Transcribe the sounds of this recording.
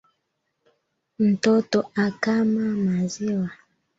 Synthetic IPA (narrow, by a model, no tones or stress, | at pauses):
n̩totoakamamaziwa